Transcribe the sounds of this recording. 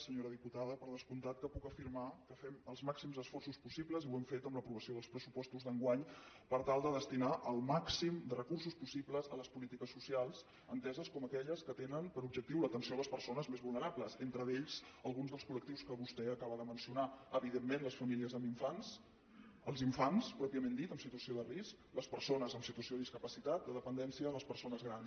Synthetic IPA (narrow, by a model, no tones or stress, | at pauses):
səɲoɾəðiput̪aðəpəɾð̞əskunt̪at̪̚kəpukəfiɾmakəfɛməlˠzmaksimzðəsfɔrsuspusibləziwɛmfet̪əmləpɾuβəsioðəlˠspɾəsupɔst̪uzðəŋɡwaɲ | pəɾt̪alˠd̪əðəst̪inaʔəlˠmaksimd̪ərəkurs̬uspusibləzələspulit̪ikəsːusialˠz | ənt̪ɛzəskɔməkɛʎəskət̪enənpəɾub̚ʒək̚t̪iwlət̪ənsioləspəɾsonəzmezβulˠnəɾapləzent̪ɾəðeʎz̥əlˠɣunzðəlskulək̚t̪iwskəβust̪ɛəkaβəðəmənsiunaəβiðemːẽnləsfəmiliəzəmbiɱfans | əlˠziɱfanspɾɔpiəmẽnd̪it̪əmsit̪uəsioðərisk | ləspəɾsonəzəmsit̪uəsiod̪iskəpəsit̪at̪̚d̪əðəpənd̪ɛnsiələspəɾsonəzɣɾans